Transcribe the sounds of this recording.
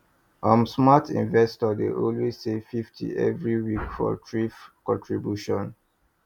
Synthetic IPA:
ʔãmsmatʰḭ̃nvɛstɔdḛʔɔlwessefiftʰḭʔɛ̰vɹiwikfɔ̰tʰɹifkɔ̃ntʰɹibjuʃɔ̃n

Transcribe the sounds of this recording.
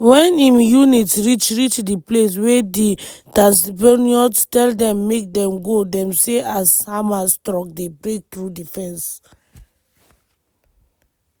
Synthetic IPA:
wɛ̃nĩmjunitɹit͡ʃɹit͡ʃdiples̬wɛdi | dãsiboniɔtɛldɛ̃mːek̚dɛ̃mɡodɛ̃mseʔashamastɹɔ̃k̚debɹek̚t̪ɹudifɛ̃ns

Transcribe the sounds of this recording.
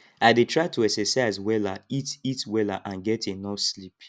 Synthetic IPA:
aɪdetʰɹaɪtʰuɛksɛsaɪzwɛlaititwɛlaʔãnɡɛtʰenɔslip

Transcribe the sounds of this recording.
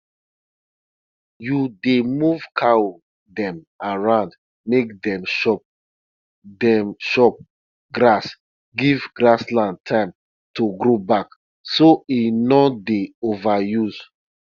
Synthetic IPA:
judemuv̥kʰao | dɛ̃m | aɹãʊ̃nd | mek̚dɛ̃mʃɔp̚ | dɛmʃɔp̚ | ɡɾas | ɡivɡɹaslãn̚tʰãɪ̃m | toɡɾobak | soinɔdeovajuz̥

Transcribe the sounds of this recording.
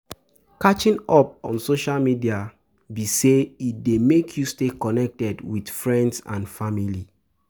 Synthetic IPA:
kat͡ʃĩnɔp̚ɔ̰̃nsoʃalmidia | biseitdemekʰjustekɔnɛk̚tɛdwid̥fɹɛ̃ndsã̰nfamili

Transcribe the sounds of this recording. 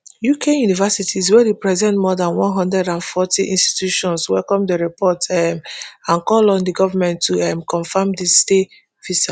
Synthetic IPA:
jukʰejunivɛsitiz̬wɛdipɹɛzɛ̃ntmɔdãnwɔ̃nɦɔ̃ndɹɛdãnfɔtiʔĩnsti̥tjuʃɔ̃nswɛlkɔ̃mdəɹipʰɔtɛmãnkɔlɔ̃ndəɡɔvamɛ̃ntʰːuɛmkɔ̃nfamdiste | visa

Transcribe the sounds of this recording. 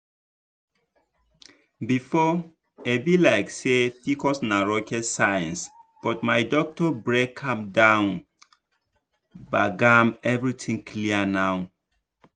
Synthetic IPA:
bifɔ | ebilaɪksetikɔsnaɹɔkʰɛtsajãnsb̥ɔtmajdɔk̚tɔbɹekʰːãmdãʊ̃n | baɡamɛvɹitʰĩŋkʰliənaw

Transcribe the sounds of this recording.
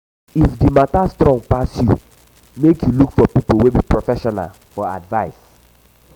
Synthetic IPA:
ifdimatastɾɔ̃ŋpasjṵ | mekjulukfɔpipowebipɹɔfɛʃɔna̰l | fɔa̰dvaɪs

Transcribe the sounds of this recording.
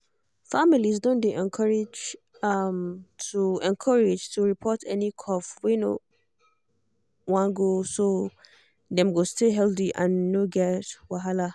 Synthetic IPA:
familisdõndeʔɛ̃nkʰɔɹed͡ʒ | amtʰuɛ̃nkʰɔɹed͡ʒtʰuɹipʰɔtʰɛnikʰɔfweno̰ | wãnɡoso | dɛ̃mɡostʰeɦɛldiʔãnːoɡɛtwaɦala

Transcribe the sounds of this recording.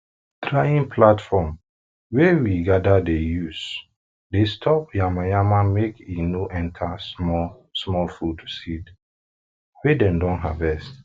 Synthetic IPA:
tɹajĩnpʰlatfɔm | wewiɡadadejus | destʰɔp̚jamajamamekinoʔɛ̃ntʰasmɔ | smɔlfud̚tʰu̥sid | wedɛ̃mdɔ̃nɦa̰vɛst

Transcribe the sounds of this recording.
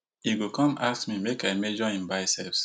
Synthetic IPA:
iɡokʰɔ̃massmimekaɪmed͡ʒɔĩmbaɪsɛps

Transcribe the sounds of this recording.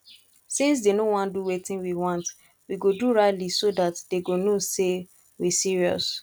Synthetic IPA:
sĩns̬denowɔ̃nduwetĩnwiwɔ̃nt | wiɡoduɹaɪtlisodatd̥eɡonose | wisiɹiɔ̰s

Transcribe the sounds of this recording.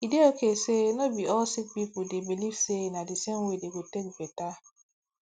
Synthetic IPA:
ideokesenɔbiɔlsik̚pipʊdebilivsenadɪseŋ̩wedeɡotek̚bɛta

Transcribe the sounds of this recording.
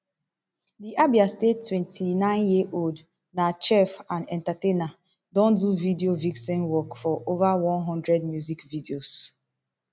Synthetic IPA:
diʔabiastetwɛ̃ntʰinãɪ̃njiʔold | nat͡ʃɛfãnɛ̃ntatena | dɔ̃nduvidioviksɛ̃nwɔkfɔʔovawɔ̃nɦɔ̃ndɹɛdmjuzikvidios

